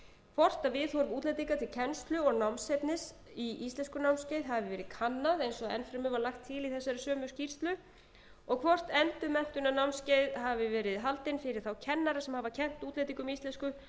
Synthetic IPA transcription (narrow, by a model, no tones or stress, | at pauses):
kʰvɔr̥t̪aðvɪðhɔɾvuːt̪lejt̪̬iŋkat̪ʰɪlcʰɛnst̪lʏɔɣnawmsɛt̪nɪs | iist̪lɛnskʏnawmscejðɦaðɪvɪvɛːɾɪðkʰanːaðejnsɔɛ̰nfɾamɪvaɾlaxt̪ʰːɪliθɛsːaɾɪsœːmʏ̥scir̥st̪lʏ | ɔɣkʰvɔr̥t̪ɛnt̪ʏmɛn̥t̪ʏnanawmnscejðɦavvɪvɛːɾɪðɦalt̪ɪnfɪɾɪɾ̥θawcʰɛnːaɾasɛmhaːvacʰɛm̥t̪uːt̪lejt̪iŋkʏmiist̪lɛnskʏ